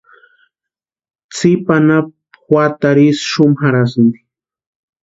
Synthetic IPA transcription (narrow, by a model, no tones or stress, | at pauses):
t͡sipanap | xwat̪aɾisʃʊmxaɾasnd̪i